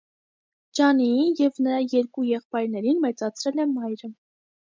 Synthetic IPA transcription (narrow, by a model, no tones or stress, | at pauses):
d͡ʒɑnijɛvnəɾɑjɛɾkujɛχpɑjɾnɛɾinmɛt͡sɑt͡sʰɾɛlɛmɑjɾə